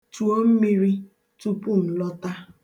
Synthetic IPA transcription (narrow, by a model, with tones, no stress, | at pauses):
tu˨o˦m̩˦mi˦ɾi˦ | tu˦pu˦˨n̩˨lɔ˦ta˦